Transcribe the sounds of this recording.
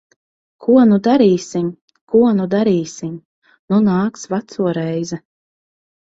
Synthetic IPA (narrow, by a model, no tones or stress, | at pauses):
kʰuɔnud̪aɾiːsim | kuɔnud̪aɾiːsim | nunaːksvat̪suɔɾɛjzɛ